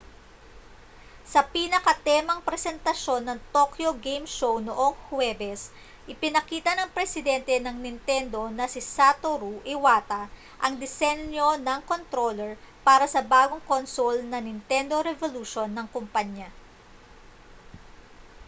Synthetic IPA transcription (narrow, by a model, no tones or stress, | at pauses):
sɐpiːnɐkɐt̪ɛmɐŋpɾɛsɛnt̪ɐʃo̞nːɐŋt̪okjo̞ɡejmʃownoʔo̞ŋhwɛːbɛs | ʔɪpɪnɐkiːt̪ɐnɐŋpɾɛsɪd̪ɛnt̪ɛnɐŋnɪnt̪ɛnd̪o̞nɐsɪsat̪oɾuʔɪwaːt̪ɐ | ʔɐŋd̪ɪsɛnjo̞nɐŋko̞nt̪ɾolɛɹ | paːɾɐsɐbaːɡoŋkonsulnɐnɪnt̪ɛnd̪o̞ɾɛvoluʃonːɐŋkompɐɲa